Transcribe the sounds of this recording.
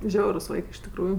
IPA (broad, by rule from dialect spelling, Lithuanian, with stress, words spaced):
ˈʒʲɛʊrʊs ˈʋɐɪkɜ ɪʃ tʲɪkˈruːjʊ